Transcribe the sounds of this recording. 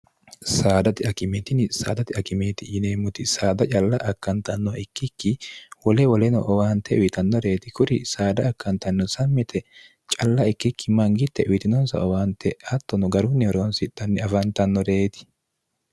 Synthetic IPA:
saːd̪ɐt̪ɪɐkɪmɛːt̪ɪnɪsa̰ːd̪ɐt̪ɪɐkɪmeːt̪ɪjɪneːmʊt̪ɪsaːd̪ɐt͡ʃʼɐlːɐʔɐkːɐnt̪ɐnːɔʔɪkːɪkːɪwɔlɛwɔlɛnɔ̰ʔɔwaːnt̪ɛʊjɪt̪ɐnːɔɾe̞ːt̪ɪkʊɾɪsaːd̪ɐːkːɐnt̪ɐnːɔsɐmːɪt̪ʰɛ | t͡ʃʼɐlːɐɪkːɪkːɪmɐŋɡɪt̪ːɛʔʊjɪt̪ɪnɔnsɐ̰ɔwaːnt̪ːɛɐt̪ːɔnɔɡɐɾʊnːɪɔɾoːnsɪᶑɐnːɪɐfɐnt̪ɐnːɔɾeːt̪ɪ̥

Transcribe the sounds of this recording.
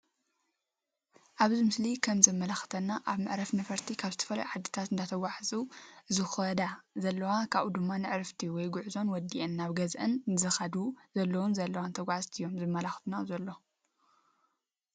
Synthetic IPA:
ʔaβzimɨslikʰɐmzɐmːɐlaxɨ̥t̪ʰɐnːaʔaβmɨʕɾɐfnɐfɐɾt̪ʰikʰaβzɨt̪ʰɐ̥fɐla̰juʕad̪ːɨt̪ʰat̪ɨnd̪at̪ʰɐɡʷaħzʼuɨzɨxɐd̪azɐlːɐwakʰaβud̪ɨmːanɨʕɾɨft̪ʰiwɔjɡuʕuzo̞nwɔd̪iʔɨnːaβɡɐzʔɨnzɨxad̪uzɐlːɐwunzɐlːɐwant̪ʰɐɡʷaʕzt̪ʰɨjːo̞mzɨmːɐlaxt̪ʰnazɐlːo̞

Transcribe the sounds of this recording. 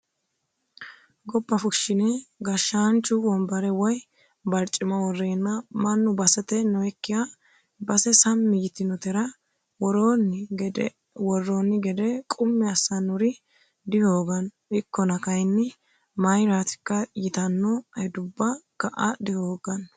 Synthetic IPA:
ɡɔbːɐfʊʃːɪnɛɡɐʃːaːnt͡ʃːʊwɔmbɐɾɛwɔj | bɐɾt͡ʃʼːɪmɐwɔrːe̞ːnːɐmɐnːʊbɐsɛt̪ɛnɔɛkːɪja | bɐsɛsɐmːɪjɪt̪ɪnɔt̪ɛɾɐ | wɔɾn | wɔrːonːɪɡɛd̪ɛkʼʊmːɛɐsːɐnʊɾɪ | d̪ɪhoːɡɐn | ɪkːɔnɐkɐjnːɪ | mɐjɾaːt̪ɪ̥kːɐjɪt̪ɐnːɔhɛd̪ʊbːɐkɐʔɐd̪ɪhoːɡɐn

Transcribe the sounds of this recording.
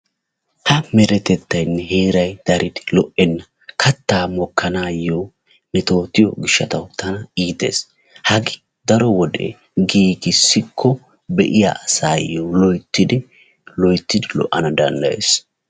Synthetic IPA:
hɐmɛɾɛt̪ɛt̪ːɐjnːɛheːɾɐjd̪̥ɐɾɪd̪ɪlɔʔɛnːɐ | kʰɐt̪ːaːmɔkʰːɐnaːjo | nɛt̪o̞ːt̪ːɪjɔɡɪʃːɐt̪ɐwt̪ʰɐnɐiːt̪ḛːs | hɐɡɪ | d̪ɐɾɔwɔd̪ɛ̰ | ɡiːɡɪsːɪkʰːɔ | bɛʔɪja̰ʔɐsaːjːolɔjt̪ːɪd̪ɪ | lɔjt̪ːɪd̪ɪlɔ̰ʔːɐnɐd̪ɐnd̪ɐ̰jḛːs

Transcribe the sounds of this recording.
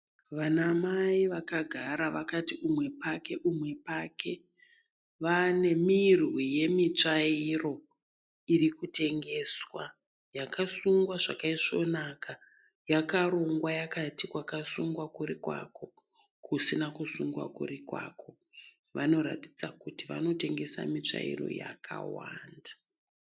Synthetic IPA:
ʋanamaiʋakaɡʱaɾaʋakatiumwe̞pake̞ʔumwe̞pakʰe̞ | ʋane̞mirwije̞mit͡ʂairo̞ | iɾikute̞ŋɡe̞ːswa̰ | jakasuŋɡwaʐa̰kaiʂo̞̰naka | jakaɾoŋɡwajakatikwakasuŋɡwakuɾikwa̰ko̞ | kʰusinakusuŋɡwa̰kṵrikwa̰kʰo̞ | ʋano̞ɾa̰ti̥d͡zakutiʋa̰no̞te̞ŋɡe̞sa̰mit͡ʂa̰ḭro̞̰ja̰kʰa̰wa̰ːndḁ

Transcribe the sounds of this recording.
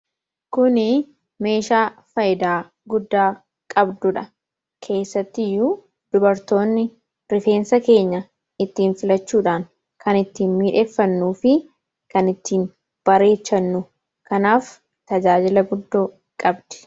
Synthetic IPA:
kʊnɪ | me̞ːʃaːfɐjɪd̪aː | ɡʊd̪ːaː | kʼɐbd̪ʊᶑɐ | kʰe̞ːsːɐt̪ːɪjuː | d̪̥ʊbɐɾt̪o̞ːnːɪ | ɾɪfe̞ːnsɐke̞ːɲːɐ | ɪt̪ːiːnfɪlɐt͡ʃːuːᶑaːŋ | kʰɐnɪt̪ːiːnmiːᶑe̞ːfːɐnːuːfɪ | kɐnɪt̪ːiːn | b̥ɐɾe̞ːt͡ʃːɐnːʊ | kɐnaːf | t̪ɐd͡ʒaːd͡ʒɪlɐɡʊd̪ːoː | kʼɐbd̪̥ɛ̥

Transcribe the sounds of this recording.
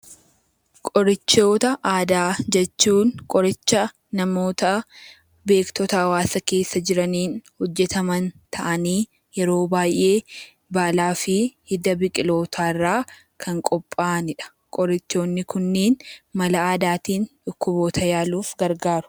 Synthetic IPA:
kʼɔɾɪt͡ʃːo̞ːt̪ɐʔaːd̪aːd͡ʒɛt͡ʃːuːnkʼɔɾɪt͡ʃːɐ | nɐmo̞ːt̪ɐ | be̞ːkt̪ɔt̪ɐɐwaːsɐke̞ːsːɐd͡ʒɪɾɐniːnhɔd͡ʒːɛt̪ɐmɐnt̪ʰɐʔɐniː | jɛɾo̞ːbaːjʔːe̞ː | baːlaːfɪhɪd̪ɐbɪkʼɪlo̞ːt̪ʰaːɪrːaː | kʰɐŋkʼɔpʼːaːnɪᶑɐ̥ | kʼɔɾɪt͡ʃːo̞ːnːɪkʊnːeːnmɐlɐaːd̪aːt̪iːnᶑʊkːʊbo̞ːt̪ʰɐjaːluːfɡɐɾɡaːɾʊ̥

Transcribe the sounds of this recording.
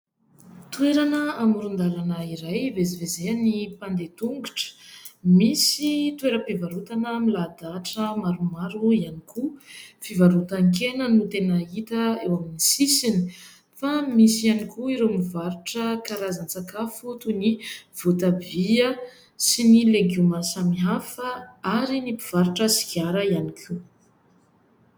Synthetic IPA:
t̪ueɾanəamuɾund̪aɾanəiɾajvezivezeanipand̪et̪uŋɡuʈ͡ʂə̥misit̪weɾəpivaɾut̪anəmilad̪aʈ͡ʂəmaɾumaɾuianikufivaɾut̪aŋkenənut̪enəit̪əewaminisisini̥ | famisianikʰuiɾemivaɾuʈ͡ʂəkaɾazant͡sakafut̪univ̥ot̪aviə | sinileɡumasamiɦafəaɾinipiv̥aɾuʈ͡ʂəsi̥kaɾəianikʰu

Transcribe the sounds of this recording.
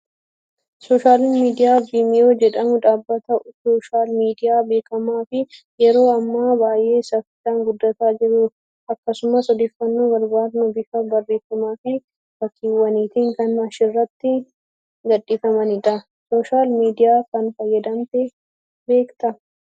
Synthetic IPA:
soːʃaːlɪnmiːd̪ɪjaːbiːmɪjoːd͡ʒɛᶑɐmʊᶑ̪aːbːɐt̪ɐsoːʃaːlmiːd̪ɪjaːbe̞ːkɐmaːfɪ | jɛɾo̞ːɐmːaːbaːjʔe̞ːsɐfɪt̪aːŋɡʊd̪ːɐt̪aːd͡ʒɪɾʊ | ɐkːɐsʊmɐsɔd̪eːfːɐnːuːɡɐɾbaːd̪nʊbɪfɐbɐrːe̞ːfɐmaːfɪ | fɐkːiːwːɐniːt̪ɪŋkɐnɐʃɪrːɐt̪ːɪ | ɡɐᶑːiːfɐmɐnɪᶑɐ | soːʃaːlmiːd̪ɪjaːkɐnfɐjːɐd̪ɐmt̪ɛ | be̞ːkt̪ɐ

